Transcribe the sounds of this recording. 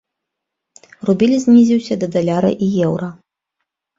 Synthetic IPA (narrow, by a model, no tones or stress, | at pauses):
rubʲilʲizʲnʲizʲiwsʲɐd̪ɐd̪alʲaɾɐ̰ʔijɛwɾɐ